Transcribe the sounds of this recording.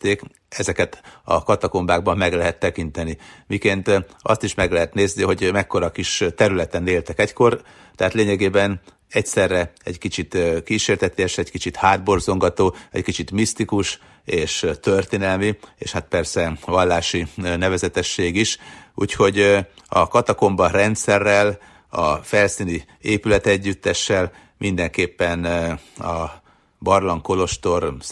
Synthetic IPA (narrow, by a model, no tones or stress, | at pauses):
t̪eːk | ɛzɛkɛt̪ɒ̰kɒt̪ɒko̞mbaːɡ̚bɒmːɛɡlɛɦɛt̪ːɛkint̪ɛnimikeːnt̪ | ɒ̰st̪iʃmɛɡlɛɦɛt̪neːzniɦo̞ɟmɛkːo̞ɾɒkiʃt̪ɛɾylɛt̪ɛneːlt̪ɛkɛcko̞r | t̪ɛɦaːt̪leːɲɛɡeːbɛn | ɛcsɛrːɛɛɟkit͡ʃit̪kiːʃeːrt̪ɛt̪eɛʃɛɟkit͡ʃit̪haːd̪̚bo̞rzo̞ŋɡɒt̪oːɛ̰ckit͡ʃit̪mist̪ikuʃ | eːʃt̪ø̞rt̪eːnɛlmiḛːʃhat̪̚pɛrsɛvɒlːaːʃinɛvɛzɛt̪ɛʃːeːɡiʃṵːcho̞ɟɒkɒt̪ɒko̞mbɒrɛnt̪sɛrːɛl | ɒfɛlsiːni | eːpylɛt̪ɛɟːyt̪ːɛʃːɛl | mʔind̪ɛŋkeːpːɛnɒ | bɒrlɒŋko̞lo̞ʃt̪o̞r